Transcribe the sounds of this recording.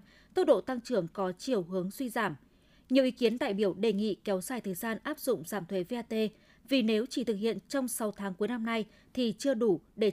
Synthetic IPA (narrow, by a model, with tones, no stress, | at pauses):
t̪ə˦˥t̚ɗo̰˧˨t̪a˧ŋt͡ɕɨ˧˩əŋkɔ˨˦t͡ɕi˨˩əwɦɨ˨˦əŋswi˧zaː˧˩m | ɲi˨˩əwʔi˨˦ki˨˦ənt̪a̰ː˧˨jɓi˧˩əwɗe˨˩ŋḭ˧˨kɛ˨˦wzaː˨˩jt̪ʰəː˨˩jzaː˧nʔaː˦˥p̚zʊ̰˧˨ŋ͡mzaː˧˩mt̪ʰwe˨˦ve˧ʔaː˧t̪e˧ | vi˨˩ne˨˦wt͡ɕi˧˩t̪ɨ˨˩k̚hḭ˧˨ənt͡ɕɔ˧wŋ͡msa˨˦wt̪ʰaː˨˦ŋku˨˦əjna˧mna˧j | t̪ʰi˨˩t͡ɕɨ˧əɗu˧˩ɗe˧˩